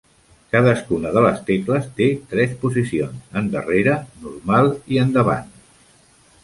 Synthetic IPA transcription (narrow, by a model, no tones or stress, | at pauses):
kaðəskunəðələst̪ekləst̪et̪ɾɛspuzisionsənd̪ə̰reɾənuɾmalˠiənd̪əβa̰n